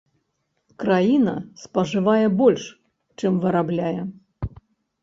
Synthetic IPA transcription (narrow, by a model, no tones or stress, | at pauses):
kɾajinɐ̰spɐʐɨvajɛbɔlʲʂ | t͡ʂɨmvɨɾablʲajɛ